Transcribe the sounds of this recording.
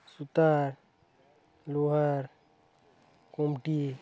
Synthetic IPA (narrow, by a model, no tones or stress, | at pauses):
sut̪aɾ | luɦəɾ | komʈi